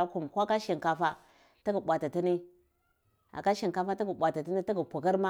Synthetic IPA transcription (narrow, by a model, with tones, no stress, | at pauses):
a˦ku˨mkʷa˦ka˦ʃi˨ŋka˨fa˦ | ti˦ɡə˨ɓʷa˨ti˨ti˦ni˦ | a̰˨ka˦ʃi˨ŋka˦fa˦ti˦ɡu˨ɓʷa˨ti˨ti˦ni˦ti˦ɡu˨pu˨ki˦ɾma˦